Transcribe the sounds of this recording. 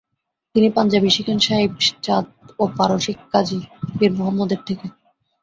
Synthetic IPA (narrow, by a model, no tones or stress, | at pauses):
t̪inipand͡ʑabiʃikʰanʃaɦibʃt͡ɕad̪opaɾoʃikːad͡ʑipiɾmoɦamːɔd̪eɾt̪ʰeke